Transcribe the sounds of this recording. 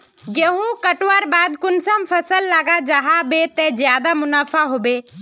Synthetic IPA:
ɡeɦũkəʈʋaːɾbaːd̪kʊnsampʰəsəlːaːɡad͡ʒaɦabet̪ẽzjaːd̪amʊnaːfʰaɦoːbeː

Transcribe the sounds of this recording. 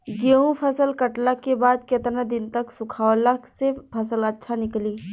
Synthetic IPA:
ɡeɦũpʰɐsəlkɐʈlakebaːd̪ket̪ɾnãd̪ɪnt̪ɐksʊkʰaːʋləksepʰɐsəlɐtːʃʰanɪkliː

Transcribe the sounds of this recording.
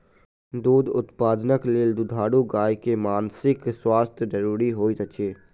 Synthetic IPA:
d̪uːd̪ʊt̪paːd̪nəkleːld̪ʊd̪ʱaːɽuɡaːjkemaːnsɪkswaːst̪ʰjd͡ʒəɾuːɾiɦoːisəkt͡ʃeː

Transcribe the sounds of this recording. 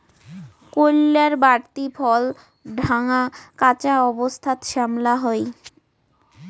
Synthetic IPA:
kolːaɾbaɾt̪ifʰɔl | ɖʱaŋakat͡ɕaɔbost̪ʰat̪ʃamlaɦɔe

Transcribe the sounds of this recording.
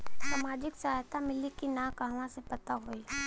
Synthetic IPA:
saːmaːd͡ʒɪksɐɦajt̪amɪlikinakaɦʋãsepɐt̪aɦoi

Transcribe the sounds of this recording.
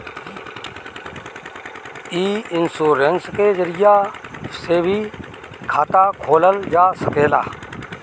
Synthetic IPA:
iːɪnsuːɾenskeːzəɾɪjaːseːbʱiː | kʰaːt̪aːkʰoːləld͡ʒaːsəkeːla̰ː

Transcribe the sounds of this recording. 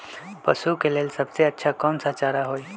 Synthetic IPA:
pə̰sukelelsəbseətːʃʰakəmsat͡ʃaɾaɦoi

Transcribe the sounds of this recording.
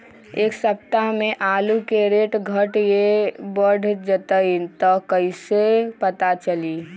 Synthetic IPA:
eːksəp̚t̪aɦmẽʔaːlukeɾeːʈɡʱəʈjebəɖʱd͡ʒət̪əit̪ɔkəɪsepət̪at͡ʃəli

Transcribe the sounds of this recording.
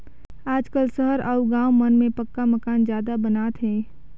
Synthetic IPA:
aːd͡ʒkəlsəɦəɾʔəuɡãːwmənmẽpəkːaməkaːnd͡ʒjaːd̪abənaːt̪ɦɛ̃ː

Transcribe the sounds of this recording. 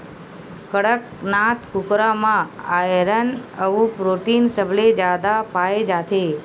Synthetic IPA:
kəɽək | nat̪kʊkɾamãaɾənəʋũpɾoʈinsəbled͡ʒad̪apaed͡ʒat̪ʰe

